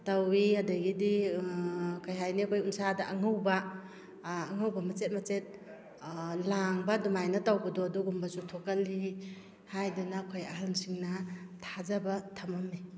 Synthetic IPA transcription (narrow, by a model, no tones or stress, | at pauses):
tawiadaɡidi | kajɦajnikʰojunsadaʔaŋɯwbaː | ŋawbamɐt͡ʃet̚mɐt͡ʃet̚ | laŋbadumajnɐtawbadɔduɡumbasutʰokali | hajdanakʰojaɦalnsiŋnatʰazabatʰamami